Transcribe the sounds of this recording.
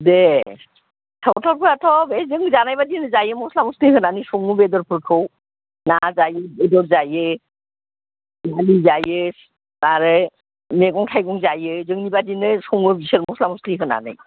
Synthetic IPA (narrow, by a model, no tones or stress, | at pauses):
de | tʰawtʰɔɾpʰɯɾatʰɔbezɯŋzanajbadinɯzajɯmɔslamustiɦɯnanɯjsɔŋubedɔɾpʰɯɾkʰɯw | nazajɯbedɔɾzajɯ | nanizajɯs | aɾɯ | meɡɔŋtʰajɡɔŋzajɯzɯŋnibadinɯsɔŋɯɾbisɯɾmɔslamɔsliɦɯna̰nɯ̰j